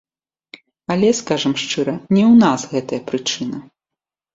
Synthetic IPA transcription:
ɐlʲɛskaʐɐmʂt͡ʂɨɾɐnʲɛwnasɣɛt̪ɐjɐpɾɨt͡ʂɨnɐ

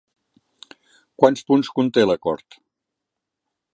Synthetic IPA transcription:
kwanspunskunt̪eləkɔ̰ɾt̪

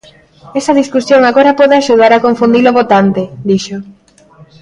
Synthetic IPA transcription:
ɛsɐðiskusjoŋaɣoɾapɔðeaʃuð̞aɾakoɱfund̪iloβot̪ant̪ɪd̪iʃo

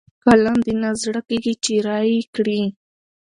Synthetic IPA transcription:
kaland̪ɪnazɽakiɡit͡ʃiɾajikɽi

